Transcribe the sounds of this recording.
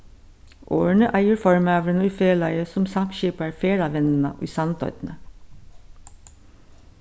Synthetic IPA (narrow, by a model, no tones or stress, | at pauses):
ʔo̰ːəɳəʔæɪəɾfɔɹmøːʋɾənyːfeːɭɑɪəsɔmsɑmʃiːpæɹfeːɾɑːʋɛnn̩ə̰ʔḭːsɑnt̪ʰœ̰ʏt̪n̩ə